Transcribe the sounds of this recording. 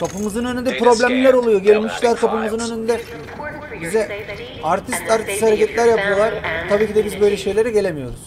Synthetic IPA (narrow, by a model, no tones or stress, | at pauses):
kʰapɯmɯzɯnø̞nynd̪ɛpɾo̞blʲæmlʲæɾo̞lˠujo̞ɟelʲimiʃt̪ʲlʲæɾkʰapɯmɯzɯnø̞nynd̪ɛ | bizɛ | aɾt̪ʰist̪aɾt̪ʰist̪haɾecɛt̪lʲæɾjapɯjo̞lˠaɾ̥t̪ʰabiːcʰid̪ɛbizbø̞jlʲɛʃe̞jlʲe̞ɾɛɟe̞lʲemijo̞̰ɾuz̥